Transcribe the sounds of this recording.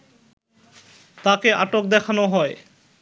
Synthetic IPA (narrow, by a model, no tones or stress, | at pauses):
t̪akeaʈok̚d̪ɛkʰanoɦɔe